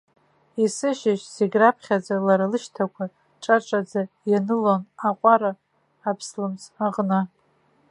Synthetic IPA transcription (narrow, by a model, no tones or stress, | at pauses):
isɨʃɪʃseɡʲrapʰχʲad͡zalaɾalɨʃtʰakʷʰa | ʈ͡ʂʼaʈ͡ʂʼad͡za | janɨlonaqʷʼaɾaː | pʰslɨmt͡saʁʼnɨ